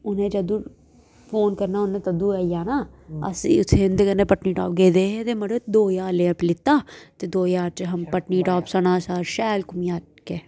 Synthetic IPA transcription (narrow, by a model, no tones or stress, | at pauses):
ʊnẽːd͡ʒəd̪ũː | pʰoːnkəɾnaːʊnẽt̪əd̪uːɛːjaːnaː | ə̰siːʊsʰɪ̃nd̪kənːeːpəʈniːʈaːp̚ɡeːd̪eːɦet̪eːməɽed̪oːjaːɾleːplɪt̪ːaːt̪eːd̪oːjaːɾt͡ʃɦɐmpəʈniːʈaːpsənaːsaːɾʃɛːlkʊmjaː | keː